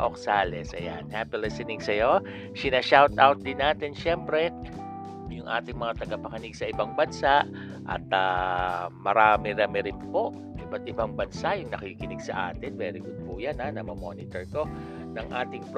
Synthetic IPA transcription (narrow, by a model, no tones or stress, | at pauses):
ʔoksaːlɛsʔɐ̰ja̰nhaːpilɪsɛnɪŋsɐjo̞ | sɪnɐʃawt̪awt̪̚d̪ɪnːaːt̪ɪnʃɛmpɾɛ | jʊŋʔa̰ːt̪ɪŋmɐŋat̪ɐɡɐpɐkɐnɪɡsɐʔɪbaŋbɐnsaʔ | ʔɐ̰t̪a | mɐɾaːmɪɾamɪɾɪnpo̞ʔ | ʔɪbɐt̪̚ɪbaŋbɐnsajʊŋnɐkikɪnɪɡsɐ̰ʔa̰ːt̪ɪnvɛːɾɪɡʊd̪̚pʊʔjananɐmɐmo̰nɪt̪ɛɹko̞ | nɐŋʔa̰ːt̪ɪŋp